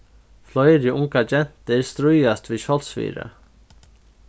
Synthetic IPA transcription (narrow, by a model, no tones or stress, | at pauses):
flɔjɾiʔʊŋkad͡ʒɛn̥t̪əɾst̪ɾʉjast̪ʋiːɕɔlsfḭːɾə̰